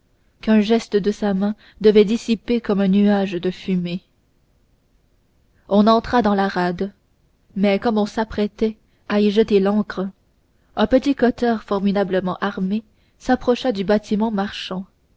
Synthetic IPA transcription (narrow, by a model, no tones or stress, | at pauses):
kɛ̃ʒɛst̪əd̪əsamɛ̃ | d̪əvɛd̪isipekɔmɛ̃nyaʒd̪əfyme | ɔ̃nɑ̃t̪χad̪ɑ̃laʁad̪ | mɛkɔmɔ̃sapχɛt̪ɛ | aiʒət̪elɑ̃kχə | ɛ̃pət̪ikɔt̪œʁfɔʁmid̪abləmɑ̃ʔaʁme | sapχɔʃad̪ybat̪ʰimɑ̃maʁʃɑ̃